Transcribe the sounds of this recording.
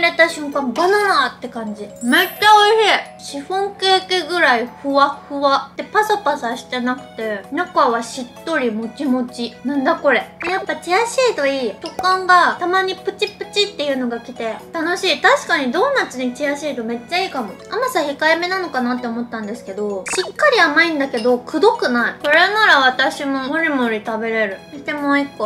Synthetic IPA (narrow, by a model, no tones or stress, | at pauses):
ɾe̞t̪aɕɨ̃ŋkãmbanaɾat̪ːe̞kãɲ̟d͡ʑimetːaoihe | ɕiɸõ̞ŋkeːkeɡɯ̟ɾaiɸɯ̟βaɸɯ̟βat̪ːe̞pasapasaɕi̥t̪e̞nakɯ̟̥t̪e̞nakaβaɕit̪ːo̞ɾʲimo̞t͡ɕimo̞t͡ɕinãnd̪ako̞ɾe̞japːat͡ɕijaɕiːt̪o̞iːtokãŋɡat̪amaɲ̟ipɯ̟t͡ɕipɯ̟̥t͡ɕit̪ːe̞jɯ̟ːno̞ɡakʲit̪e̞t̪ano̞ɕiːt̪aɕi̥kaɲ̟id̪o̞ːnat͡sɨɲ̟it͡ɕijaɕiːt̪o̞me̞t͡ɕːaiːkamo̞amasaçikaame̞nano̞kanat̪ːe̞o̞mo̞t̪ːãnd̪e̞sɨ̥ke̞d̪o̞sɨkːaɾʲiamaĩnd̪ake̞d̪o̞kɯ̟d̪o̞kɯ̟naiso̞ɾenaɾaβ̞at̪aɕimo̞moɾʲimo̞ɾʲit̪abe̞ɾe̞ɾɯ̟it̪emoːikːo